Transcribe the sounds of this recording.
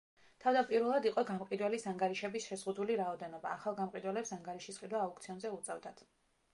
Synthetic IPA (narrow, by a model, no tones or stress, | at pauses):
t̪ʰavd̪apʼiɾwɛlˠad̪iqʼɔɡamqʼid̪wɛlisaŋɡaɾiʃɛbisʃɛzʁud̪uliɾaɔd̪ɛnɔbaːχalˠɡamqʼid̪wɛlɛpsaŋɡaɾiʃisqʼid̪waːukt̪sʰiɔnzɛut̪sʼɛvd̪ad̪̥